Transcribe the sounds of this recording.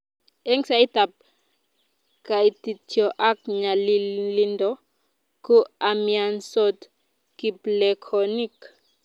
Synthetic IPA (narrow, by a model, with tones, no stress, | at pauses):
ɛ˦ŋsa˨i˦t̪a˨p̚ | ka˨i˨t̪i˨tjɔ˨ʔa˦k̚ɲa˨li˨li˦ndɔ˦ | ku˦amia˨nsɔ˦t̪ | ki˨blekʰɔni˦k